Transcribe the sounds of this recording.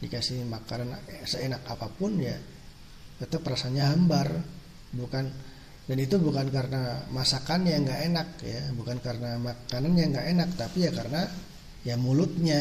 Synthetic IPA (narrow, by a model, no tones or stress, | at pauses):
dikasihmakanansəenakapapʊnja | t̪ət̪əpːəɾasaɲaɦambar | bukan | danit̪ubukankaɾənamasakanjaŋɡaʔenak̚jabukankaɾənamakananjaŋɡaʔenak̚t̪apijakaɾəna | jamulʊt̪̚ɲa